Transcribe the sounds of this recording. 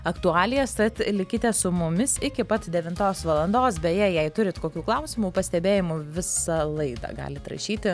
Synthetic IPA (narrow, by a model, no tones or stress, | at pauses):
ɐkt̪ʊɑːlʲɪjɛst̪ɐt̪lʲɪkʲɪt̪ʲɛsʊmʊmʲɪsɪkʲɪpɐt̪d̪ʲɛʋʲɪnt̪oːsʋɐlˠɐnd̪oːsbʲɛjɛjɛɪt̪ʊɾʲɪt̪koːkʲuːklˠɐʊsʲɪmuːpɐsʲt̪ʲɛbʲeːjɪmʊʋʲɪsɐlˠɐɪd̪ɐ̰ːɡɑ̰ːlʲɪt̪ɾɐ̰ʃʲiːt̪ʲɪ